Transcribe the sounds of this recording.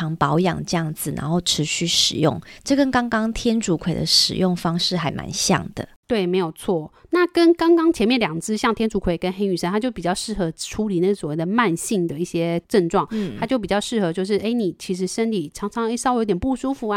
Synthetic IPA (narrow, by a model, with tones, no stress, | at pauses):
ɑ˧˥ŋpɑ˧˥ʊjɑ̰˨˩ŋʈ͡ʂɤ˥˧jɑ˥˩ŋd͡zɹ̩˨˩na̰˧˥nxo˥˩ʊʈ͡ʂʰɻ̩˧˥ɕy˥ʂɻ̩˨˩jʊ̰˥˩ŋʈ͡ʂɤ˥˩kə˥nkɑ˥ŋkɑ˥ŋt̪ʰjɛ˥nʈ͡ʂu˧˥kʰwe˨˩ɪd̪ə̰˦ʂɻ̩̰˨˩jʊ˥˩ŋfɑ˥ŋʂɻ̩˥˩xa˧˥ɪma̰˧˥nɕjɑ̰˥˩ŋd̪̥ə̰˩t̪we˥˩ɪme˧˥ɪjo˨˩ʊt͡sʰwɔ˥˩na˥˩kə˦˥nkɑ˥ŋkɑ˥ŋt͡ɕʰjɛ˧˥nmjɛ˥˩nljɑ˨˩ŋt͡sɹ̩˥˧ɕjɑ˥˩ŋt̪ʰjɛ˥nʈ͡ʂu˧˥kʰwe˨˩ɪkə˧˦nxe˥ɪy˨˩ʂə˥nt̪ʰa˥t͡ɕjo˥˩ʊpi˨˩t͡ɕjɑ˥˧ʊʂɻ̩˥˩xɤ˧˥ʈ͡ʂʰu˧˥li˨˦na˥˩ɡə˩swɔ˨˩we˥˩d̪ə˩ma˥˧nɕi˥˩ŋd̪ə˩i˥˩ɕjɛ˥ʈ͡ʂə˥˧ŋʈ͡ʂwɑ˥˨˩ŋt̪ʰa˥t͡ɕjo˥˩ʊp̬i˨˩t͡ɕjɑ˥˧ʊʂɻ̩˥˩xɤ˧˥t͡ɕjo˥˧ʊʂ̬ɻ̩˥˩ʔe˥˩ɪni˨˩t͡ɕʰi˧˥ʂ̬ɻ̩˧˥ʂə˥nli˨˩ʈ͡ʂʰɑ˧˥ŋʈ͡ʂʰɑ˧˥ŋje˧˥sɑ˥˧jt̪jɛ˨˩npu˥˩ʂu˥fu˨˩a˧˦